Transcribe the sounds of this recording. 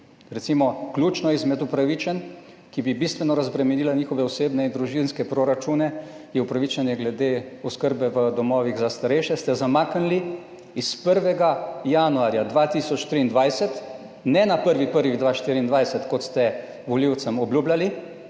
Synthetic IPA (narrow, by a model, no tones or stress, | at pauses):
ɾɛt̪simɔkljuːt͡ʃnɔizmɛd̪upɾaʋit͡ʃɛn | kibibist̪ʋɛnɔɾazbɾɛmɛniːlaniːxɔʋɛɔseːbnɛind̪ɾuʒinskɛpɾoɾat͡ʃuːnɛ | jɛupɾaʋit͡ʃɛnjɛɡlɛd̪eɔskəɾbɛʋəd̪ɔmɔːʋiɣzast̪aɾɛjʃɛst̪ɛzamaːknli | ispəɾʋɛɡajanuaːɾjad̪ʋat̪iːsɔt͡ʃt̪ɾiːnd̪ʋajsɛt̪ | nɛnapəɾʋipəɾʋiɣd̪ʋaːʃt̪iːɾiːnd̪ʋajsɛt̪kɔt̪st̪ɛ | ʋɔliwt̪səmɔbljuːblʲali